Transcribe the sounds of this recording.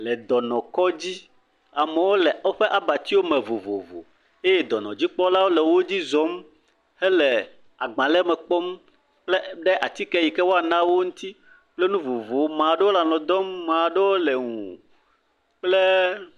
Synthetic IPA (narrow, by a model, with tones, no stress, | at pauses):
lɛ˨d̪ɔ˨nɔ̃˨kɔ˦d͡ʑi˦ | a˨me˨wo˦lɛ˨o˦ɸe˦ʔa˨ba˨t̪i˦wo˦mɛ̃˨vo˨vo˨vo̰˨ | e˦je˦d̪ɔ˨nɔ̃˨d͡ʑi˦k͡pɔ˦la˦wo˦lɛ˨wo˦d͡ʑi˦zɔ˨˦m | he˦lɛ˨ | a˨ɡ͡bã˨lɛ˦mɛ˨k͡pɔ˦m | k͡ple˦ɖɛ˦ʔa˨t̪i˦kɛ˦ji˨kɛ˦wo˦a˨nã˦wo˦ŋũ˦t̪i˦ | k͡ple˦nũ˦vo˨vo˨˦mã˨ɖe˦wo˦la˨lɔ̃˨d̪ɔ˦mːã˨ɖe˦wo˦lɛ˨ŋũ˨ | k͡ple˦